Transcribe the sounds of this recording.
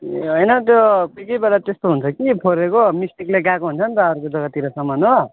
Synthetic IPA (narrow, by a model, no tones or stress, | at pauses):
ɦojnʌt̪jokijkʌjbelat̪est̪oɦunt͡sʰʌkipʰoɾekomisʈikleɡakoɦunt͡sʰʌnt̪ʌʌɾukod͡zʌɡʌt̪ːiɾʌsʌmʌno